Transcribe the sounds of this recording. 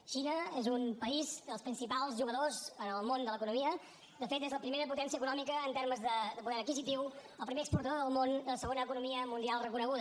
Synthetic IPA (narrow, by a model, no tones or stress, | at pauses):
ʃinəezumpəizd̪əlˠspɾinsipalˠzʒuɣəðozənəlˠmond̪ələkunumiə | d̪əfet̪ezləpɾimeɾəput̪ɛnsiəkunɔmikəːnt̪eɾməzðəd̪əpuðɛɾəkizit̪iwəlˠpɾimeəkspuɾt̪əðoðəlˠmond̪ələsəɣonəkunumiəmund̪ialˠrəkunəɣ̞uðə